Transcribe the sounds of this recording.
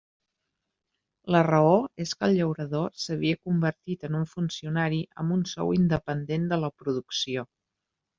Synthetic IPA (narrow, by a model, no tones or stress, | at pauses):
lərəoeskəlˠʎəwɾəðosəβ̞iəkumbəɾt̪it̪ənuɱfunsiunaɾiʔə̰mbunsɔ̰wind̪əpənd̪end̪ələpɾuðuksio